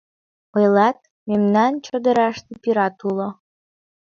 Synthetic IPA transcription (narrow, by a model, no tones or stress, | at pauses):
ɤjlɑt̪̚ | memnɑnt͡ɕod̪ə̆ɾɑʃt̪epiɾɑt̪ulo